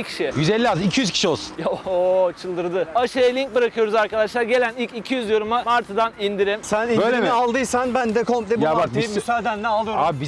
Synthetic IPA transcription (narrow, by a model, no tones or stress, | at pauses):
cʰʲi̥ʃijyzɛlʲːiaːzmicʰijyzkʰʲi̥ʃio̞lˠsu̥njoot͡ʃʰɯlˠd̪ɯɾd̪ɯaʃajalʲiɲc̚bɯɾakʰɯjo̞ɾuzaɾkad̪aʃlˠaɾɟe̞lʲænilʲcicʰijyzjo̞ɾumamaɾt̪ʰɯd̪anind̪iɾimsænibøjlʲemalˠd̪ɯjsanbænd̪ɛkʰo̞mplʲebjabak̪imisad̪ænːɛalˠɯjoabi